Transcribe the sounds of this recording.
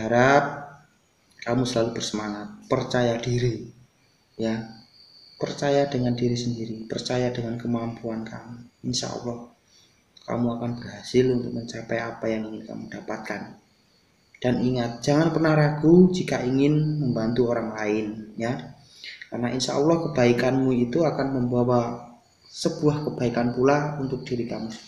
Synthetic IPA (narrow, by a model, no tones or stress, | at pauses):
əɦaɾap̚ | kamusəlalubərsəmaŋat̪̚pərt͡ʃajad̥iɾi | ja | pərt͡ʃajadəŋandiɾisəndiɾipərt͡ʃajadəŋankəmampuankamuinʃa̰ɔ̰lːɔh | ka̰muakanb̥ərɦasɪlunt̪ʊ̰k̚məɲt͡ʃapɛjapajaŋiŋɪnka̰mud̥apat̪̚kan | d̥aniŋat̪̚d͡ʒ̥aŋanpərnahɾaɡ̥ud͡ʒikaiŋɪnməmbant̪uoɾaŋlaɪnja | karnaʔinsa̰ʔulɔhkəb̥aikanmuit̪uakanməmbawa | səb̥uahkəb̥aikanpulaunt̪ʊk̚d̥iɾikamu